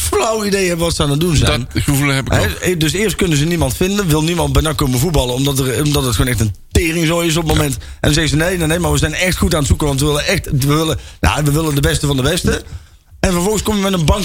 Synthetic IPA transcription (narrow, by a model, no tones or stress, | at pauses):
flawidejɦɛbəʋɑtsəanadunzɛnuvləɛpɪɦɛdøsɪːrst̚kønəzənimɑntfɪndənʋɪlˠnimɑnt̚bɛjnakoməvut̚bɑlˠəɔmdɔtərmdɔtətxoːnɛxtəntɪːrɪŋzoːɪs̬ɔpətmomɛntɛ̰ndɔnzɛɣəzənejnanejmaɹʋəzɛjnɛxtxutaːnətsukəʋɑntʋəʋɪlənɛxtʋəʋɪləja̰ʋəʋɪləndəbɛstəvɑndəbɛstə | ɛnvɔrvɔlˠɣənskoməʋəmɛnənbɑŋ